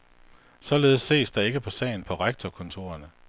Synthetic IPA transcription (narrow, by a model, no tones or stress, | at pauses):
sɒ̽le̝ːð̞̩ˠsːe̝̰ːsd̥ɑ̈e̝ɡ̥əpʰɒ̽sɛ̰ɪn̩pʰɒ̽ʁaɡ̥̚t͡sʰɒkʰɔ̽nt͡sʰo̝̰ːɐnə